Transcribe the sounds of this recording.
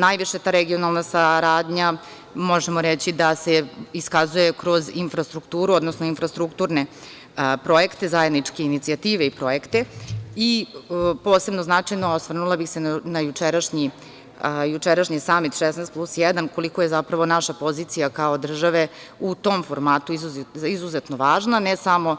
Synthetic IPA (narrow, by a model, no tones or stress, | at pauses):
najʋiʃet̪aːɾeɡio̞nalˠnasaɾaːd̪ɲa | moʒemo̞ɾet͡ɕid̪aseiskazuje̞kɾo̞zinfɾast̪ɾukt̪uːɾuod̪nosno̞infɾast̪ɾukt̪uːɾne̞ | pɾo̞je̞kt̪e̞zaje̞d̪nit͡ʂke̞init̪siat̪iːʋeipɾo̞jekt̪eipo̞ːse̞bnoznat͡ʂajnoosʋr̩nulˠabixsenajut͡ʂeɾaʃɲi | jut͡ʃeɾaʃɲisaːmit̪ʃɛsnɛːst̪plˠusjɛd̪anko̞liko̞je̞zapɾaʋo̞naʃapo̞ziːt̪sijakao̞d̪r̩ʒaʋe̞ | ut̪o̞mfoɾmaːt̪uizuizuzet̪no̞ʋaːʒnanesamo̞